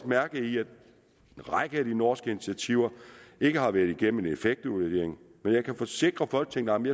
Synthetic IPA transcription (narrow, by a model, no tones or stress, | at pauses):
mæɐɡ̥̩ˠiæd̥ | ʁäɡ̥əæd̥inɒːsɡ̥əinit͡sʰiæt͡sʰiʊ̰ɐe̝ɡ̥əɦɑ̈ʋæɐðˠiɡ̥em̰m̩e̝nefeɡ̥̚d̥ud̥e̝̰ɐe̝ŋmenjɑ̈ɪkʰæfɒ̽se̝ɡ̥ʁɐfɒl̰ɡ̥̚t͡sʰeŋd̥ɑməmjɑ